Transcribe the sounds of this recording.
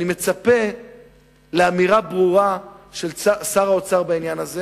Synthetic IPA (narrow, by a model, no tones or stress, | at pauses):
nime̞t͡sape̞ | leamiʁabʁuʁaʃe̞lasaʁao̞t͡saʁbainjanaze